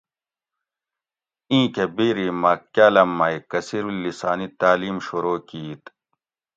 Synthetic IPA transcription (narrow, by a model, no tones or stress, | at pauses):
ĩːkebiːɾimɐkjaːlɐmːaikɐsiɾulːisaːnit̪aːliːmɕuɾoːkiːt̪